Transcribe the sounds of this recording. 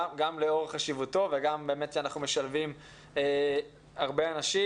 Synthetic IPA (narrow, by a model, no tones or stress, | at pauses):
ɡamleo̞ʁχaʃivuto̞veɡambe̞ːme̞tʃeanaχnume̞ʃalvim | e | haʁbeanaʃi